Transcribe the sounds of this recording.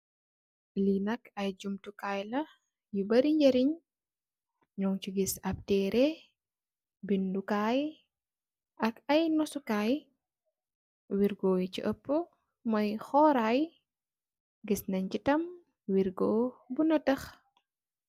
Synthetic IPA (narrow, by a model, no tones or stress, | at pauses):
linɐkɐjd͡ʒumtukajlɐ | jubɐɾiɲɟɐɾiɲ | ɲɔŋt͡ʃiɡisɐp̚tɛɾɛ | bindukaːj | ʔɐkɐjnɔsukaːj | wiɾɡɔːjit͡ʃiʔəpːə | mɔjxɔːɾaj | ɡisnɐɲcitɐm | wiɾɡɔːbunɐtɐx